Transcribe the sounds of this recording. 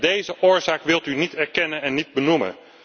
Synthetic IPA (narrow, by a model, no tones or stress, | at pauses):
dejzəʔʊːɹzaːkʋɪlˠtynitɛɹkɛnənɛnːid̚bənumə̰n